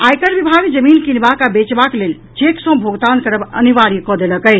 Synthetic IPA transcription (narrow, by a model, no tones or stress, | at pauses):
ajkəɾbibʱaɡd͡ʒəminkinbakabet͡ʃbaklel | t͡ʃeksə̃bʱoɡt̪ankəɾəbə̰niʋaɾikɔd̪eləkəj